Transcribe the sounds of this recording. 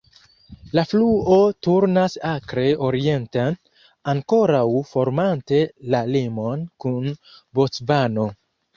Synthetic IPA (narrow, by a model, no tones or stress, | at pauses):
lafluo̞tuɾnasakɾe̞o̞ɾie̞ntan | aŋko̞ɾawfo̞ɾmante̞lalimo̞nkunbot͡sbano̞